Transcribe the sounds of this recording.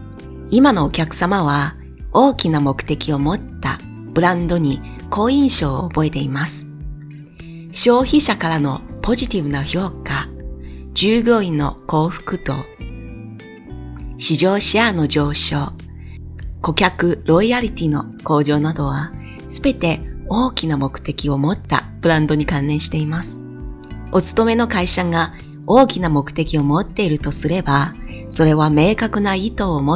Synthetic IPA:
imano̞ːkʲakɯ̟̥samaβa | o̞ːkʲinamo̞kɯ̟̥t̪e̞kʲio̞mo̞t̪ːa̰ | b̥ɯ̟ɾãnd̪o̞ɲ̟i | ko̞ːĩɰ̃ɕo̞ːobo̞e̞t̪e̞imasɨ̥ | ɕo̞ːçiɕakaɾano̞po̞ʑit̪ʲibɯ̟naço̞ːka | d͡ʑɨːɡʲo̞ːinːo̞̰ko̞ːɸɯ̟̥kɯ̟t̪o̞̰ | ɕiʑo̞ːɕiano̞d͡ʑo̞ːɕo̞ː | ko̞kʲakɯ̟ɾo̞iaɾʲit̪ʲino̞ | ko̞ːʑo̞ːnad̪o̞β̞a | sɨbe̞t̪e̞o̞ːkʲinamo̞kɯ̟̥t̪e̞kʲio̞mo̞t̪ːa̰bɯ̟ɾãnd̪o̞ɲ̟ikãnːẽ̞ɰ̃ɕi̥t̪e̞imasɨ̥ | o̞t͡sɨ̥t̪o̞me̞no̞kaiɕaŋa | o̞ːkʲinamo̞kɯ̟̥t̪e̞kʲio̞mo̞t̪ːe̞iɾɯ̟t̪o̞sɨɾe̞ba | so̞ɾe̞βame̞ːkakɯ̟nait̪o̞ːmo

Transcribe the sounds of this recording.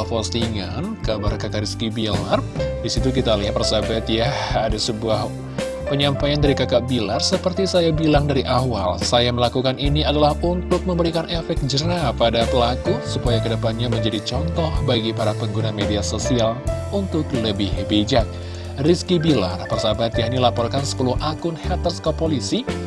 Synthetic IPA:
fɔst̪iŋankabarkakaʔɾiskibilardisit̪uk̬it̪aliɦat̪̚pərsabat̪jaadasəbuah | pəɲampajandaɾikakaʔbilarsəpərt̪isajabilaŋdaɾiʔawa̰lsajaməlakukaniniadalahunt̪ʊk̚məmbəɾikanefɛk̚d͡ʒəɾapadapəlakusupajakədəpanɲaməɲd͡ʒadit͡ʃɔnt̪ɔhbaɡipaɾapəŋɡunamediasosialunt̪ʊkləbɪhbed͡ʒat̪̚ | riskibila̰rpərsabat̪jaŋinilapɔrkansə̥puluhʔakʊnhɛt̪ərskopolisi

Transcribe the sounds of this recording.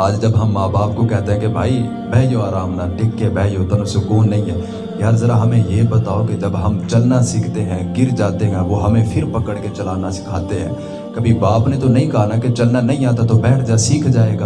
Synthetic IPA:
aːd͡ʒd͡ʒɐbɦɐmːaːbaːpkokɛɦt̪ẽɦɛ̃kebʱaːi | bɛːjoaːɾaːmnaʈʰɪkːebɛːjot̪onosʊkoːnːɐɦĩɦɛː | jaːɾzɐɾaɦɐmẽjebɐt̪aːoked͡ʒɐbɦɐmt͡ʃɐlnasiːkʰt̪eɦɛ̃ɡɪɾd͡ʒaːt̪eɦɛ̃ʋoɦɐmẽfʰɪɾpɐkəɽket͡ʃɐlaːnasɪ̥kʰaːt̪eɦɛ̰̃ː | kɐbʱibaːpnet̪onɐɦĩkɐɦanaket͡ʃɐlnanɐɦĩaːt̪at̪obɛːʈʰd͡ʒasiːkʰd͡ʒaːeːɡaː

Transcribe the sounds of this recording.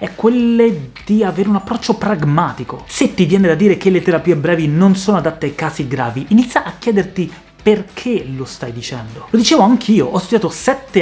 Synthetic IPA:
ɛkːwelːed̪̥iaveːɾeunapːɾɔt͡ʃːopɾaɡmaːt̪ikoset̪ːivjɛːned̪ad̪ːiːɾek̟elːet̪eɾapiːebːɾɛːvinonsoːnoad̪at̪ːeajjkaːsiɡɾa̰ːviinit̪sjaʔakjɛːd̪ert̪i | perkʰelost̪ajd̪it͡ʃɛ̰nd̪olod̪it͡ʃeːvoaŋk̟iːoʔɔst̪ud̪jaːt̪osɛt̪ːe

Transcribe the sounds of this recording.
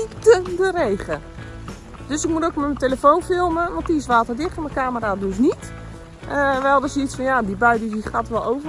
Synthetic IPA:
tədərejχə | d̥øsɪk̚mutokmɛməteləfonfɪlˠməʋɔntisʋaːtərdɪxtəməkaːməradøs̬nit | əʋɛlˠdɔsisfɔnjadibœɥdis̬ixatʋɔlˠowvə

